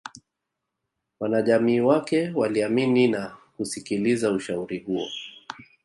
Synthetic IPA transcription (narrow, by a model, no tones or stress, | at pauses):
wanaʄamiːwakɛwaliamininakusikilizauʃauɾihuɔ̰